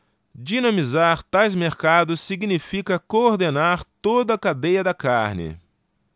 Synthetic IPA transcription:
d͡ʒinɐ̃mizaɾt̪ajzmeɾkad̪ʊsːiɡnifikɐkoɾd̪enaɾt̪od̪ɐːkad̪ejɐd̪ɐkaɾnɪ̰

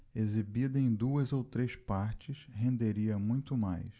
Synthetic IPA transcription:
ezibid̪ɐẽj̃d̪uɐzowt̪ɾespaɾt͡ʃɪshẽnd̪eɾiɐmũj̃t̪ʊmajs

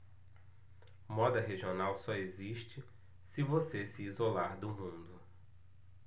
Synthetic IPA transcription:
mɔd̪ɐɦeʒionawsɔeziʃt͡ʃɪ | sɪvosesiizolaɾd̪ʊmũnd̪ʊ

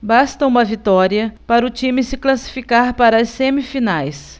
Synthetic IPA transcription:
bast̪ɐũmɐvit̪ɔɾiɐpaɾɐʊt͡ʃĩmɪsɪklasi̥fikaɾpaɾɐɐsːẽmifinajs

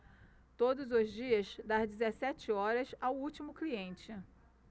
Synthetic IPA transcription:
t̪od̪ʊzʊzd͡ʒiɐsd̪aɾd͡ʒizesɛt͡ʃɪɔɾɐsawut͡ʃimʊkliẽnt͡ʃɪ

